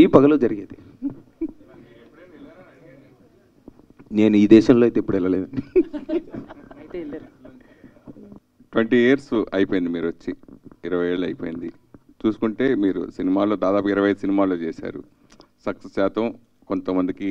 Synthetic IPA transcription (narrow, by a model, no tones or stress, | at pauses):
iːpɐɡɐloːd͡ʒɐɾiɡeːt̪e | ne̞ːnuiːd̪ɛːʃɐmlojt̪eipːuɽɛlɐleːd̪ɐni | ɐjt̪eːlɐɾ | ʈʋeɳʈiːeɐɾsɐjpojind̪imiːɾuʋɐt͡ʃːiiɾɐʋɐje̞ːɭːuɐjipo̞ːjind̪i | t͡ʃuːsu̥kuɳʈe̞ːmiːɾṵsinimaːlo̞ːd̪aːd̪aːpukiɾɐʋɐjɐd̪usinimaːlo̞ːt͡ʃɛːsa̰ːɾṵ | sɐksesːaːt̪ʰɐm | ko̞nt̪ɐmɐnd̪iki